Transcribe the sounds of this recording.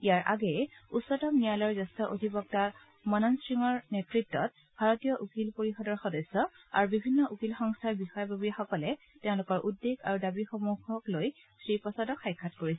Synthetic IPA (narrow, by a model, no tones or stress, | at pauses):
ijaɹʔaɡɛusːɔtɔmnijalɔɹzɔstɔʔodʱibɔk̚ta | mɔnɔnsɹiŋɔɹnetɹitːɔt̚ | b̥ʱaɹɔtijɔʔukilpoɹixɔdɔɹxɔdɔsːɔ | a̰ɹubibʱinːɔʔukilxɔŋstʰaɹbixɔjɔbʱabiaxɔkɔlɛ | tɛʊ̃lʊkɔɹʔudːeɡa̰ɹudabixomuɡʱɔkloj | sɹipɔsadɔkxajkʰːatkoɹisɛ